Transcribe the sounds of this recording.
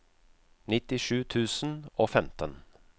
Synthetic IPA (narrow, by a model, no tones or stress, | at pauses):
nɪt̪ɪʂʉːt̪ʰʉːsn̩oːfɛmt̪ən